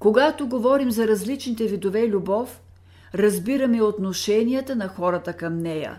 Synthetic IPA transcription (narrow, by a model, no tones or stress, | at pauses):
koɡat̪oɡovɔɾimzɐɾɐzlit͡ʃnit̪ɛvid̪ovɛilʲubɔf | ɾɐzbiɾɐmɛiot̪noʃɛnijət̪ənɐxɔɾət̪əkɐmnɛjə̰